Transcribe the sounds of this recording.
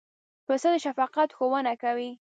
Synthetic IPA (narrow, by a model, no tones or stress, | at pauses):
pəsəd̪əʃafɑqat̪xowənakawi